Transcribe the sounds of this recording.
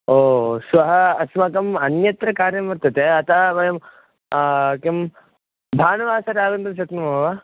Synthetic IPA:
oːsʋɐɦɐɐsmɐkɐmɐnjɐt̪ɾɐkaːɾjɐmʋɐɾt̪ɐt̪eːɐt̪aːbɐjɐm | kim | bʱaːnɐʋaːsɐɾaːɡɐnt̪ɐt͡ʃɐt̪nɐmɐmɐʋa

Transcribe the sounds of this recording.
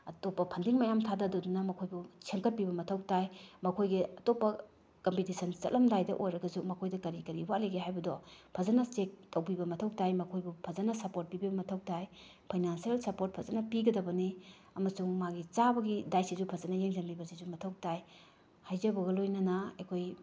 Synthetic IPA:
ɐtopːɐpʰɐndiŋmajamtʰadɐdɔdunɐmɐkʰojbut͡ʃʰeŋkɐt̚pibɐmɐtʰɐwk̚tajmɐkʰojɡiɐtopːɐ | kompitisɐnt͡ʃɐ̰t̚lʔɐmdajdɐʔojɾɐɡɐzumɐkʰojdɐkɐɾikɐɾiwaʔleɡeɦajbɐdɔpʰɐzɐnɐstek̚tɐwpibɐmɐtʰɐwk̚tajmɐkʰojbupʰɐzɐnɐsɐpoɾt̚pibibɐmɐtʰɐw̚taj | pʰajnansielsɐpoɾt̚pʰɐzɐnɐpiɡɐdɐbɐni | ɐmɐsuŋmaɡit͡ʃabɐɡidajsizupʰɐzɐnɐjeŋzenbibɐsizumɐtʰɐw̚taj | hajzɐbɐɣɐlojnɐnɐekʰoj

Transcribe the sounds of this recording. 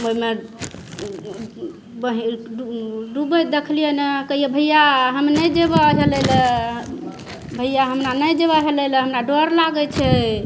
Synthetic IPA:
oime | bəɦiuɖubəd̪ekʰlijenekəɦijebʱəjaɦəmnəjd͡ʒebaɦelələ | bʱəjjaɦəmɾanəjd͡ʒeβaɦelələɦəmɾaɖoɾlaɡət͡ʃʰɛ

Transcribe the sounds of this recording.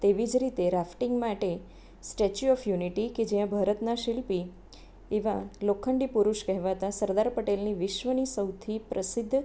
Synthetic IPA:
t̪eʋid͡ʒɾit̪eɾafʈiŋɡmaʈe | sʈet͡ʃuɔfjuniʈiked͡ʒijãbʱaɾət̪naʃilpi | eʋalokʰːəɳɖipuɾuʃkɛɦʋat̪asəɾd̪aɾpəʈelniʋɪʃʋənisəwt̪ʰipɾəsɪd̪ʱː

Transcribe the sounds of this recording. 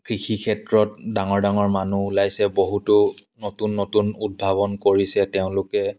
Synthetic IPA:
kɹixʰikʰɛtɹɔtdaŋɔɹdaŋɔɹmanuːlajsɛboɦutʊnotunːotunud̚bʱaβɔnkoɹisɛtɛʊ̃lʊkɛ

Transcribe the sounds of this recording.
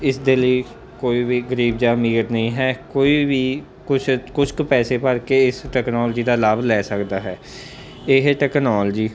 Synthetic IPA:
ɪsd̪eːləiː | koːiːʋiːɡəɾiːb̚d͡ʒaːmiːɾnəĩːɦɛːkoːiːʋiː | kʊt͡ʃʰkʊt͡ʃʰkpɛːseːpəɾkeːɪsʈɛːknɔːld͡ʒiːd̪aːlaːblɛːsəkd̪aːɦɛː | ɪɦʈɛːknaːld͡ʒiː

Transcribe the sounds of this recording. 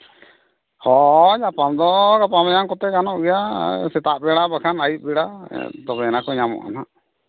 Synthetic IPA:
hɔɲapamd̪ɔɡapamajaŋkɔt̪ɛkanɔʔɡɛjasɛt̪aʔbɛɽabakʰanajt̪̚bɛɽa̰t̪ɔbɛɛnakɔɲamɔ̰ʔa̰na

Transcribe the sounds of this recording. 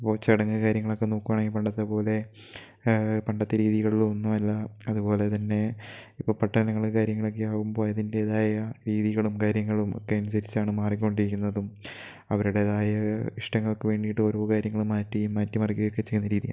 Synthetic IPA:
ipːo̞ːt͡ɕɐɽɐŋːɨkaːɾjɐŋːɐɭo̞kːe̞noːkːuʋaːɳeŋːɡipɐɳɖɐt̪ːɐpo̞ːle̞ | pɐɳɖɐt̪ːɐɾiːðiɣɐɭilonːumɐlːɐɐðupo̞ːle̞t̪ɐnːe̞ipːoːpɐʈːɐɐnɐŋːɐɭkaːɾjɐŋːɐɭokːeaːɣumbo̞ːɐðinileːðaːjɐɾiːðiɣɐɭumkaːɾjɐŋːɐɭumo̰kːe̞ɐnus̬ɐɾit͡ɕːaːɳɨmaːrikʲːukːo̞ɳɖiɾikʲːunːɐðum | ɐʋɐɾuɽe̞ðaːjɐiʂʈɐŋːɐɭokːeʋe̞ːɳɖijʈːɨo̞ːɾoːkaːɾjɐŋːɐɭumaːtːijumːɐːtːɐmɐrikʲːuɣɐjokːe̞t͡ɕejnːɐɾiːðija̰ː

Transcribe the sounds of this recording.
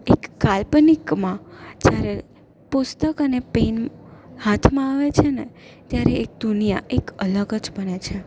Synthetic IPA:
ekːalpnikmãd͡ʒjaɾe | pʊst̪əkənepenhat̪ʰmãaʋet͡ʃʰenet̪jaɾeek̚d̪unija̰ʔekələɡəd͡ʒbənet͡ʃʰe

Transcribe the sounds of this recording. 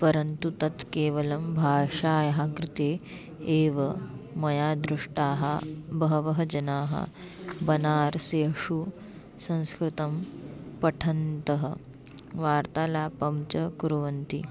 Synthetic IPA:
pɐɾɐnt̪ut̪ɐt̪keːʋɐlɐmbʱaːʂaːjɐɦɐkɾɪt̪eː | eːʋɐmɐjaːd̪ɾuʂʈaːɦɐ̰bɐɦɐʋɐɦɐd͡ʒɐnaːɦɐ̰ | bɐnaːɾseɐʂu | sɐ̃ñskɾɪt̪ɐmpɐʈʰɐnt̪ɐɦɐ̰ | ʋaːɾt̪aːlaːpɐmt͡ʃɐkuɾuʋɐnt̪ḭ

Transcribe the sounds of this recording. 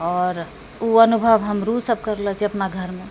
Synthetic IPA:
ɔɾ | uənubʱəbɦəmɾusəb̚kəɾlɛt͡ʃʰiəpnaɡʱəɾme

